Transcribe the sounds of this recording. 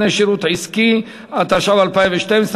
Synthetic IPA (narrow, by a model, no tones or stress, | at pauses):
neʃiɾut̪ʕiski | at̪aʃavalpaimveʃt̪ems